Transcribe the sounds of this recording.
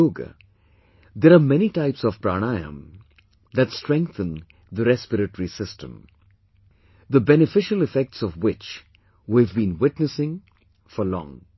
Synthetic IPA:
oːɡə̰ | d̪eɾamɛniʈaɪpsɔv̥pɾa̰ːñaɪə̰̃m | d̪ætsʈɾɛ̃ŋk̚θə̃n | d̪əɾɛspɪɾəʈəɾisɪstə̰̃m | d̪əbɛnɪfɪʃəlɪfɛk̚ʈsɔvwɪt͡ʃ | wivbĩnwɪʈnəsɪ̃ŋ | fɔlɔ̰̃ŋ

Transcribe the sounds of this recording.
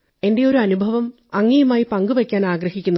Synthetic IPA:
e̞nde̞jo̞ɾuɐnubʱɐʋɐm | ɐŋːijɐmaːjipɐŋɡuʋɐkʲːaːnaːɡɾɐhikʲːunːɐ

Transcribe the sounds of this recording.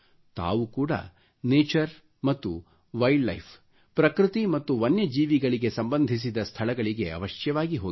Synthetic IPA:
t̪a̰ːʋukuːɽɐ̰ | neːt͡ʃɐɾ | mɐt̪ːu | ʋɐjɖːɐ̰jpʰ | pɾɐkɾɨt̪imɐt̪ːuʋɐnjɐd͡ʒiːʋiɡɐɭiɡe̞sɐmbɐnd̪ʱis̬id̪ɐst̪ʰɐɭɐɡɐɭiɡe̞ɐ̰ʋɐʃjɐʋaːɡiɦoːɡ

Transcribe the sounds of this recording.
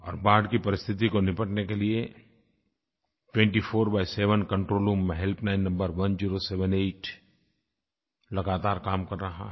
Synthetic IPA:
ɔ̰ːɾbaːɖkipɐɾɪst̪ʰɪt̪̬ikonɪpəʈnekelie | ʈwɛ̃ːɳʈifʰoːɾbaːɪseːʋənkɐ̃ɳʈɾoːlũːmːẽɦɛlpnaːɪnːɐ̃mbəɾʋɐnd͡ʒiːɾoseʋə̃neːʈ | lɐɡaːt̪aːɾkaːmkɐɾːɐɦa̰

